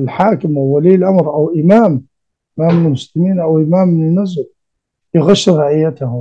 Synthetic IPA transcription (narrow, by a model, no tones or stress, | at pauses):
lħaːkɪmawːaliːlʔamɾʔawʔɪmaːm | ʔːamːɪnɪlmʊslɪmiːnʔawʔɪmaːmːɪnɪnːʊzɾ | jɣʊʃːɾɑʕɪjːat̪ahʊ